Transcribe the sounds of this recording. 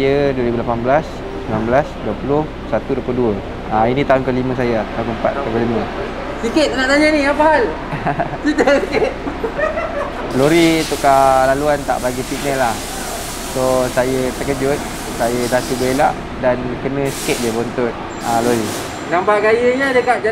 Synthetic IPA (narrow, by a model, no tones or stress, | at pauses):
jəduəɾibulapanbəlas | səbənanblasduəpulʊh | sat̪uduəploduə | ainĩt̪aɦʊnkəlimə̃s̬ajəat̪aunkəəmpa̰t̪kkəlimə̃ | sikɪt̪̚ənaʔd̪aɲanijapaɦal | sit̪asikɪt̪̚ | loɾit̪ukalaluant̪a̰ʔbaɡifinəlah | sosajət̪əkəd͡ʒʊt̪̚ | sajədat̪ubəelaʔ | dankənə̃si̥ket̪̚d͡ʒəbont̪ʊt̪̚ | aloɾi | ɡambaʔɡajəɲadəkaʔ̪̚d͡ʒa